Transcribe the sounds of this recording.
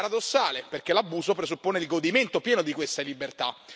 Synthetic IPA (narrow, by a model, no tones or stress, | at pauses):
ɾad̪osːaːleperkelabuːzopɾezupːoːneilɡod̪iment̪opjɛːnod̪ikwest̪alibert̪a̰